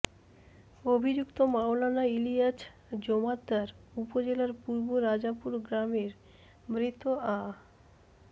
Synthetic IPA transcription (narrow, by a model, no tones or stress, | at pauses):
obʱid͡ʑukt̪omawlanailijat͡ɕ | d͡ʑomad̪ːaɾupod͡ʑelaɾpuɾboɾad͡ʑapuɾɡɾameɾ | mɾit̪ːoʔa